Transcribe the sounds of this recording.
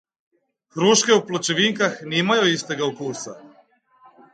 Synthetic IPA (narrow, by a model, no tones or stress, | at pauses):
xɾuːʃkeuplot͡ʃeʋiŋkaxniːmajuist̪eɡaukuːsa̰